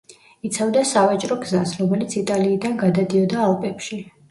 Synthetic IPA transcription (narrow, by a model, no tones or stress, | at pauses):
it̪sʰavd̪asavat͡ʃʼɾɔɡzasɾɔmɛlit̪sʰit̪ʼaliːd̪anɡad̪ad̪iɔd̪aːlˠpʼɛpʃi